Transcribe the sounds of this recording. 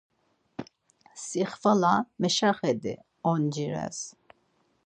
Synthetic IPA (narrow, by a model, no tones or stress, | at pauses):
siχvalamɛʃaχɛd̪ḭ | ɔnd͡ʒiɾɛ̰s